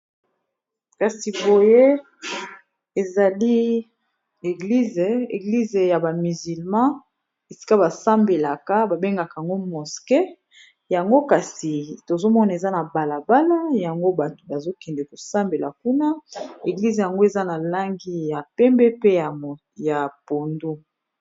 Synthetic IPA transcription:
ka˨si˨bo˨je˦ | e˨za˨li˦ | e˨ɡli˦ze˨ḛ˨ɡli˦ze˨ja˨ba˨my˨zi˨lmɑ̃˦ | e˨si̥˦ka˦ba˨sa˦mbe˨la˨ka˦ba˨be˦ŋɡa˨ka˨a˨ŋɡo˦mɔ˨ske˦ | ja˨ŋɡo˦ka˨si˨to˨zo˦mɔ˦na˨e˨za˦na˨ba˨la˨ba˦la˦ja˨ŋɡo˦ba˨to̥˨ba˨zo˦kɛ˨ndɛ˨ko˨sa˦mbe˨la̰˨ku˦na˦e˨ɡli˦ze˨ja˨ŋɡo˦e˨za˦na˨la˦ŋɡi˦ja˨pɛ˦mbɛ˦pe˦ja˨ | ja˨po˨ndu˦

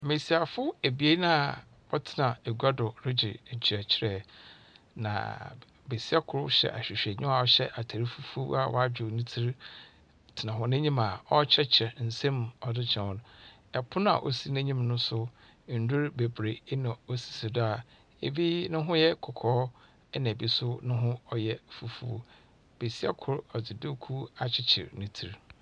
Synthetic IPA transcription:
mẽ˨si˨a˨fʊ˦e˨bi˨e˦nã˦˨ | ɔ˦tʰɪ˨nã˨e˨ɡʷa˦dʊ˨ɾɪ˦d͡ʑɪ̰˨ɲ̩˨t͡ɕʰi˨ɾɛ˨t͡ɕʰɪ˦ɾɛ˨ | nã̰˨ | be˨si˦a˦kʰʊ˨ɾʊ˦ɕɛ̰˨ʔa̰˨ɕᶣɪ˨ɕᶣɛ˨ɲɪ̃˦a˨ɔ˦ɕɛ˦ʔa˨tʰa˨ɾi˦fu˦fu˦a˦˨wɔ̰˦˨a˦d͡ʑᶣʊ˨nĩ˦tʰi˦ɾ | tʰɪ˨nã˨ɦʊ̃˨nɪ̃˦ɲĩ˦ma˨ɔ˦t͡ɕʰɛ˦t͡ɕʰɛ˨n̩˨sɛ̃˦mɔ˨dɪ˦t͡ɕʰɛ̃˨wɔ˨nʊ̃˨ɛ˨pʰʊ˦n˦a̰˨ʔo˦si˦nɛ̃˦ɲĩ˦mnʊ̃˦sʊ˦ | n̩˨du˦ɾbe˨bɾe˨˦nã˨o˦si̥˨si˨dʊ˦a˨ | ḛ˨bi˦nʊ̃˦ɦʊ̃˦jɛ˦kʰɔ˨kʰɔː˨˦ | ɛ˦nã˨bi˦sʊ˦nʊ̃˦ɦʊ̃˦ɔ˦jɛ˦fu˨fṵ˦ | b̥e˨si˦ɛ̰˦kʰʊ˦ɾɔ˨dɪ˨dɪ˦kʰu˦a˨t͡ɕʰɪ˦t͡ɕʰɪ̰˨ɾnɪ̃˦tʰi˨ɾ

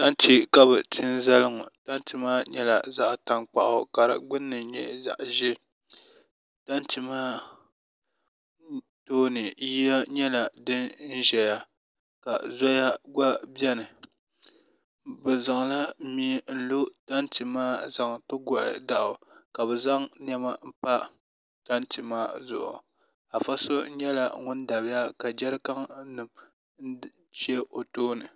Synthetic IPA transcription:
ta˦n˦ti˦ka˨bɨ˨tʰɪ˦nza˦lɨ˦ŋʊ˨ta˦n˦ti˨maː˦ɲɛ˦la̰˨za˦ʔta˨ŋk͡pa̰˨ʔʊ˨ka˨ɾa̰˦ɡ͡bʊ˦nːɨ˨ɲɛ˦za̰˨ʔʒɛ˦ | ta˦n˦ti˦maː˦ | toː˦nɨ˨ji˦ja˦ɲɛ˦la˨dɨ˦nn̩˦ʒɛ˨ja˦ | ka˨zɔ˦ja˦ɡa˦bjɛ˦nɨ˨ | bɨ˨za˨ŋ˨la˦mi˦n̩˦lo˦ta˦ntɨ˨maː˦za˨ŋtɨ˦ɡa˦ʔɪ̰˨da˨ʔʊ˨ka˨bɛ˨za˦ŋn˦ɛ˦ma˦m̩˦pa˦ | ta˦ntɨ˨maː˦zʊ̰˨ʔʊ̰˨ | a˨fa˦so˦ɲɛ˦la̰˨ŋʊ˦n˦da˨bɪ˦ja˦ka˨d͡ʒɛ˦ɾɨ˦ka˦ŋ̩˦nɨ˨m | n˦ | t͡ʃɛ˦o˨toː˦nɨ˨

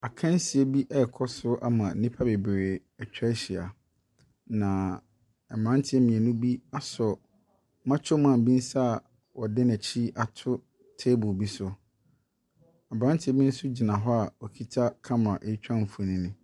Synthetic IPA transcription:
a˨kʰã˦n˦si˨e˦bi˦ʔɛ˦ɛ˨kʰɔ˦sʊ˦ʔa̰˦mã˨˦nĩ˦pʰa˦be˨bɾe˨ | ɛ˨t͡ɕᶣɛ˦ɕi˨a̰˨ | nã˨ | ɛ˨m˨ã˦n˦tʰɪ˦ɛ˦mĩ˨ɛ˨nũ˦bi˦a˨sɔ˨ | mã˦t͡ɕʰɔ˦mã˦˨m̩˨bĩ˦n̩˦sa˦˨ | wɔ˨dɪ̃˦næ˨t͡ɕʰi˦ʔa˨tʰʊ˦ | tʰe˦bʊ˨bi˦sʊ˦ | a˨bɾã˦n˦tʰɪ˨˦ɛ˦bĩ˦n̩˦sʊ˦d͡ʑi˨nã˨ɦɔ˦a˨wɔ˨kʰi˦tʰa˦kʰã˦mã˨ʔe˨˦t͡ɕᶣã˦˨m̩˨fu˨nĩ˦nɪ̃˨

